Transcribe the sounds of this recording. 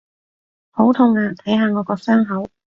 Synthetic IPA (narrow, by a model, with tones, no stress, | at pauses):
ho˨˥wt̪ʰʊ˧˩ŋaː˧t̪ʰɐ˨˥jɦaː˨˧ŋɔː˨˧kɔː˧sœː˥ŋɦɐ˨˥w